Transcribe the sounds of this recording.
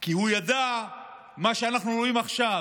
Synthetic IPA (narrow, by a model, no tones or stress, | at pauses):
kihujad̪a | maʃeanaχnuɾoimaχʃa